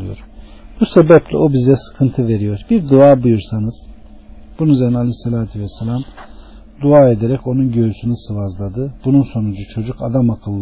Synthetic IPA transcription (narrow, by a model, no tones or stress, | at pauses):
ɯjo̰ɾ | b̥use̞bɛplʲɛ̰obizɛsɯ̥kʰɯnt̪ʰɯve̞ɾijo̞ɾbiɾd̪uaːbujuɾsanɯz̥ | b̥unyzeɾnalʲisːelʲaːt̪ʰyvɛsːelʲam | d̪uaːe̞d̪eɾɛco̞nunɟø̞ysynysɯvazlˠad̪ɯbununso̞nud͡ʒut͡ʃʰo̞d͡ʒukad̪amakʰɯlˠː